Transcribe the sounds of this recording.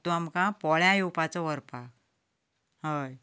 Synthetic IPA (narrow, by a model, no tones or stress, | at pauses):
t̪uamkãpɔɭjãjuwpat͡sɔʋəɾpa | həj